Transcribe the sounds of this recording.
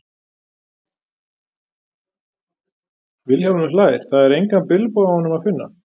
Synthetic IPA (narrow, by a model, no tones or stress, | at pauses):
vɪlhawlʏnʏlaːjɪɾ̥θaðɛɾejŋkanpɪlpowahɔnːʏmaðfɪnːa̰